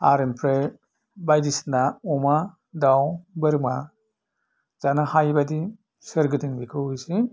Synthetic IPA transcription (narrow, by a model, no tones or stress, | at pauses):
aɾɯnpʰɾe | bajdisnaɔma | dawbɯɾma | z̥anahajbadi | sɯɾɡɯdiŋbikʰɯwɯjsi